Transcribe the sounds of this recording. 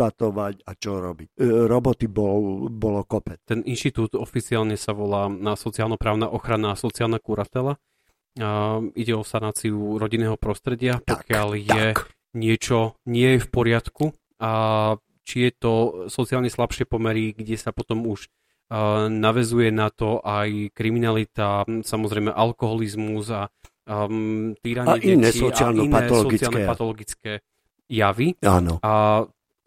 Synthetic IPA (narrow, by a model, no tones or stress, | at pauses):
at̪ɔʋaɟat͡ʃɔɾɔbicɾɔbɔt̪ibɔbɔlɔkɔpɛt͡st̪ɛnʔinʃt̪it̪uːt̪ɔfit͡siaːlɲɛsaʋɔlaːnasɔt͡siaːlnɔpɾaːʊnaʔɔxɾanaːsɔt͡siaːlˠnakuɾat̪ɛla | iɟɛɔsanaːt͡siuɾɔɟinːɛːɦɔpɾɔst̪ɾɛɟɪapɔkkɪaljɛ | ɲɪɛt͡ʃɔɲɪɛjɛfpɔɾɪat̪ku | a | t͡ʃijɛt̪ɔsɔt͡siaːlɲɛslapʃɪɛpɔmɛɾiɡɟɛsapɔt̪ɔmuʒ | naʋɛzujɛnat̪ɔʔajkɾiminalit̪asamɔzɾɛɪmɛʔalkɔɦɔlizmuza | t̪iːɾaɲaɛnɛsɔialninaɔlslsɔɡit͡silnɛpat̪ɔlɔɡit͡skɛː | jaʋia̰nɔa